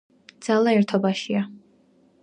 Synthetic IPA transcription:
d̪z̥alˠaɛɾt̪ʰɔbaʃia

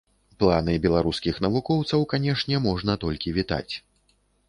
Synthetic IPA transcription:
plˠanɨbʲɛlˠaɾuskʲixnɐvukɔwt̪sɐwkanʲɛʂnʲɛmɔʐnɐt̪ɔlʲkʲivʲit̪a̰t͡sʲ

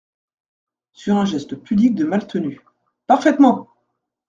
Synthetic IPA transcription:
syʁɛ̃ʒɛst̪əpyblik̚d̪əmalt̪ʰəny | paʁfɛt̪mɑ̃

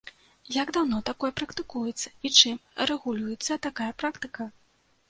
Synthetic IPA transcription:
jaɡd̪awnɔt̪akɔjɛpɾɐkt̪ɨkujɛt̪sːɐ̥it͡ʂɨmrɛɣulʲujɛt̪sːɐt̪akajɐpɾakt̪ɨkɐ

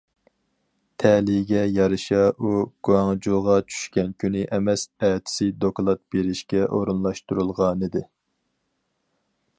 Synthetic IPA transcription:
t̪ʰɛlɪɡʲɛjɑɾɨʃɑʔuɡ̥uɑŋd͡ʒulˠʁɑt͡ʃʰy̥ʃkʲɛnkʲʰynɪʔɛmɛsɛt̪ʰɪ̥sɪd̪oklˠɑt̪̚beɾɪʃkʲɛʔo̰ɾunlˠɑʃt̪uɾulˠʁɑnɨd̪ɪ

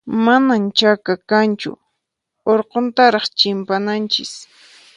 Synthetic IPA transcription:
manamt͡ʃakakant͡ʃʊ̰ | oɾqont̪aɾɑχt͡ʃɪmpanant͡ʃɪ̰s

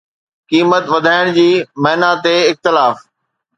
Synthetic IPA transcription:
kiːmət̪ʋɐd̪ʱaːɪɽ̃d͡ʑiːmɐɦnat̪eɪxt̪ɪlaːf

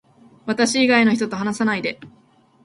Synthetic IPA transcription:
βat̪aɕiːɡaino̞çi̥t̪o̞t̪o̞ɦanasanaid̪e̞

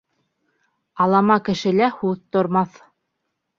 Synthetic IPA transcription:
ɑlˠɑmɑkɘ̆ʃɘ̆læhʉðt̪ŏɾmɑθ

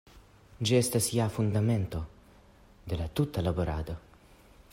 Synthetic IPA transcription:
d͡ʒɛst̪asiafund̪ament̪o | d̪elat̪ut̪ːalaboɾa̰ːd̪a

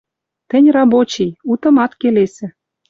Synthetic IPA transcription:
t̪ɘ̆nʲrɑbot͡ɕijut̪ɤ̆mɑt̪kelesɘ̆

